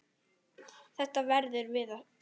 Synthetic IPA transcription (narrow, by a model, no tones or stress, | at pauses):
θɛht̪avɛɾðʏɾvɪða